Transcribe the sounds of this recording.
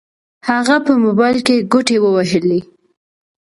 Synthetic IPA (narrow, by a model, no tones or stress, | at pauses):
haɣapəmobɑjlkeɡoʈewəwaʒəle